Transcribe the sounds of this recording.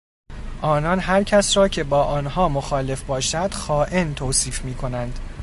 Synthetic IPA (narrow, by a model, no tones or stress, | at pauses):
ʔɒːnɒːnɦæɾcʰæsɾɒːcʰe̞bɒːʔɒːnɦɒːmoxɒːle̞fbɒːʃæd̪̥xɒːʔent̪ʰoːsiːfmiːkʰo̞nænd̪̥